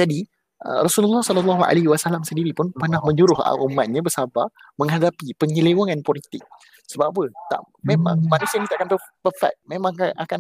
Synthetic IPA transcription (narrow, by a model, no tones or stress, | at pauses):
d͡ʒadi | ə̰ɾɔsululːɔhsɔlɔlːɔɦua̰leɦiwasalamsəndiɾipʊnpənahmə̃ɲd͡ʒuɾʊɦa̰ʔumat̪̚ɲabəsaba | mə̃ŋɦadapipəɲəlewaŋanpolit̪ɪk̚ | səbapət̪a̰ʔ | memã̰ŋmanusianit̪aʔakanpəpəfa̰t̪̚memãŋanʔa̰kan